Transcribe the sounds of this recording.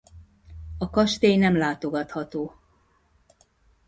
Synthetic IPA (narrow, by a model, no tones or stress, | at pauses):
ɒkɒʃt̪eːjnɛmlaːt̪o̞ɡɒt̪hɒt̪oː